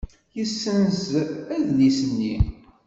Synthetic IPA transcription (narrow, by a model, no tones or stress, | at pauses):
jəsːənzæðlisənːi